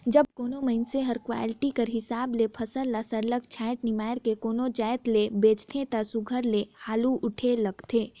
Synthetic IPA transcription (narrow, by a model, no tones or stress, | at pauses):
d͡ʒɐb̚koːnoməɪnseɦɐɾkʋa̰ːlɪʈikəɾɦɪsaːblepʰɐsəlasəɾləɡ̚t͡ʃʰaːɪʈnɪmaːjɾkekoːnot͡ʃaːjt̪lebeːt͡ʃt̪ʰẽt̪asʊɡʱəɾlehaːluʔʊʈʰelɐɡt̪ʰeː